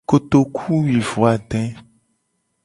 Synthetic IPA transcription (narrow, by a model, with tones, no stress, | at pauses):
ko˨t̪o˨kʰu˦wi˨vo˨a˨ɖ̪ɛ̃˦